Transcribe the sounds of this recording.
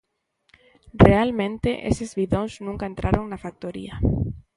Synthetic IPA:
realmẽnt̪eʔḛsezβiðoŋznũŋkaent̪ɾaɾoŋnafak̚t̪oɾḭɐ

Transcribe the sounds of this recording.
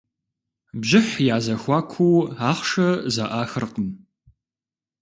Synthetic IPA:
bʑɪħjaːzɐxʷɑːkʷʰuwaːχʷʂɐzaʔaːxɨrqəm

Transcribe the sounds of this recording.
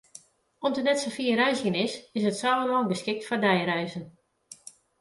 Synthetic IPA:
ɔmdənɛtsəfiːəɾœɥsjənɪsɪsətsaːvəmɔlˠbəskɪk̚tfɔdɛjrɛjzən

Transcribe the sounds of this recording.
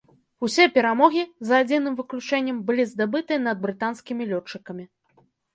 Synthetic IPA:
usʲɛpʲɛɾamɔɣʲizad͡zʲinɨmvɨklʲut͡ʂɛnʲːɐmbɨlʲizd̪abɨt̪ɨɐnɐd̪̚bɾɨt̪anskʲimʲilʲɔt͡ʂːɨkɐmʲi

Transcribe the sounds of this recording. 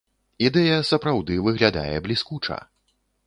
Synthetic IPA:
id̪ɛjɐsɐpɾawd̪ɨvɨɣlʲad̪a̰jɛblʲiskut͡ʂɐ̰

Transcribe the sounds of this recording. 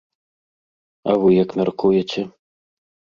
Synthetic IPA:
ɐ̰vɨjɐkmʲarkujɛt͡sʲɛ

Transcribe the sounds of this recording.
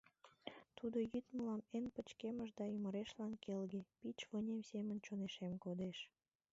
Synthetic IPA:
t̪ud̪ojyt̪məlɑmenpət͡ɕkeməʃd̪ɑyməɾeʃlɑnkelɣepit͡ɕβənʲemsemənt͡ɕoneʃemkod̪eʃ

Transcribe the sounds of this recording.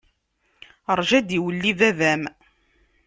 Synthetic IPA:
əɾˤʒæd̪iwəlːiðævæm

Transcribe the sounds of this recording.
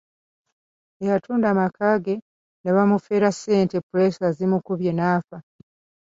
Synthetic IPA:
ejatʰuːndamakʰaːɡe̞ | neβamufe̞ːɾaseːntepuɾesazimukuβjenaːfa

